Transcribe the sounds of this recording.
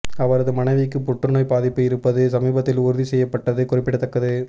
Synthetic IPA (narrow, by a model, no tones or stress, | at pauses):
ɐʋɐɾɐðɯmɐnɐɪʋɪkːɯpʊʈrɯnɐːjpaːðɪpːɯjɪɾɯpːɐðɯsɐmiːbɐt̪ːɪlʊɾɯðisɛjːɐpːɐʈːɐðɯkːʊrɪpːɪɽɐt̪ːɐkːɐðɯ